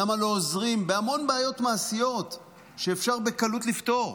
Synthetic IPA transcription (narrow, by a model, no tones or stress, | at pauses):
amalo̞ːzʁimbeamo̞nbeajo̞tmaːsijo̞t̪ | ʃe̞ːfʃaʁbe̞kalutlifto̞ʁ